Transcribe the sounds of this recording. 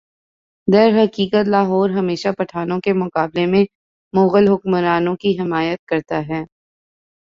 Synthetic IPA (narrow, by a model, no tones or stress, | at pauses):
d̪ɐɾɦɐkiːkət̪laːɦɔːɾɦɐmeːʃapɐʈʰaːnõkemʊqaːblemẽ | moːɣəlɦʊkməɾaːnõkiɦɪmaːjət̪̚kɐɾt̪aɦɛː